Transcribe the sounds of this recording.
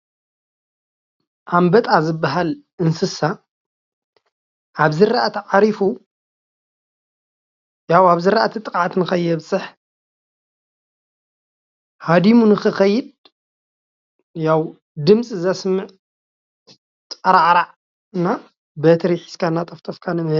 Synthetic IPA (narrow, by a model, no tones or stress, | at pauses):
ʔambɐt̪ʼazɨbːaɦalʔɨnsɨsa | ʔaβzɨɾaʔat̪ʰiʕaɾifu | jawaβzɨɾa̰ʔat̪ʰit̪ʼɨkʼʕat̪nɨxɐjːɛβsʼɨħ | had̪imunɨxɨxɐjːɪd̪̚ | jaw | d̪ɨmt͡sʼɨzasmːɨʕ | t̪ʼɐɾaʕɾaʕ | ɨnːa | bɐt̪ʰɾiħi̥skʰanːat̪ʼɐft̪ʰʼɐfkʰanɨ